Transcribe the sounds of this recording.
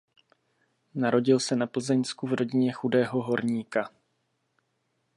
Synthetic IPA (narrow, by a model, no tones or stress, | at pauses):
naɾo̞ɟɪlsɛnapl̩zɛɲskuvɾo̞ɟɪɲɛxudɛːɦoɦo̞ɾɲiːka